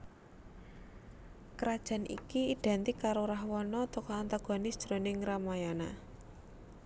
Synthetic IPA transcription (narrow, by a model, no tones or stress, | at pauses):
kəɾad̥ʒ̥a̤nʔḭkiːɖ̥a̤nt̪ikaɾoɾaɦwɔnɔt̪ɔkɔant̪aɡ̥ɔ̤nɪsʒ̥ɾonɪŋɾamajana